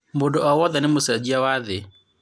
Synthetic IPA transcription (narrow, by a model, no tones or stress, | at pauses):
modɔɔwɔðanɪmosad͡ʒiawaðɪ